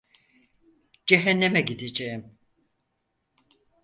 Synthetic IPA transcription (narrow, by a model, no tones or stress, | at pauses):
d͡ʒɛɦɛnːemɛɟid̪ed͡ʒejim